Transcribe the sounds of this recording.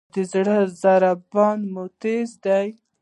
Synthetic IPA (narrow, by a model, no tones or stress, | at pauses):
d̪əzɽəzaɾabɑnmot̪ezd̪aj